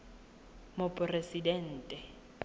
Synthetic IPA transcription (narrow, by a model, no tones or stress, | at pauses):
mopʼresidɛn̩ːtʼɛ